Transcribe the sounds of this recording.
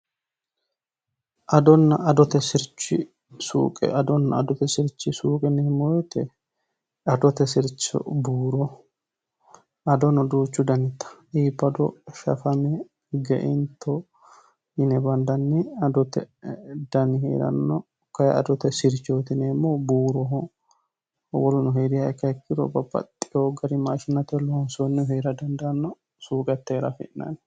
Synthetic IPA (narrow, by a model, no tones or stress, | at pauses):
ʔɐd̪ɔnːɐɐd̪ɔt̪ɛsɪɾt͡ʃːɪ | sṵːkʼɛ̰ʔɐd̪ɔnːɐ̰ɐd̪ɔt̪ɛsɪɾt͡ʃːɪsuːkʼɛnːɛhɪmɔjɔt̪ɛ | ɐd̪ɔt̪ɛsɪɾt͡ʃːɔ̰buːɾɔ | ɐd̪ɔnɔd̪uːt͡ʃːʊd̪ɐnɪt̪ːɐ̥ʔiːpːɐd̪ɔ̰ʃɐ̰fɐmɛ | ɡɛ̰ʔɪnt̪ʰɔ | ɪnɛbɐnd̪ɐnːɪɐd̪ɔt̪ːɛd̪̥ɐnhḛːɾɐ̰nːɔ | kɐjɐ̰d̪ɔt̪ɛsɪɾt͡ʃoːt̪ɪnemːobuːɾɔɦɔ | wɔlʊnɔɦeːd̪ɪɐɛkːɐɛkːɪɾɔ̰bɐbɐ̰t̪ʼːɪjoɡɐɾɪmaːʃɪnːɐt̪ɛlɔnsonːɛheːɾɐd̪ɐnd̪ɐɐnːɔ | suːkʼɛt̪ːeːɾɐ̰fɪ̰ʔnɐ̰n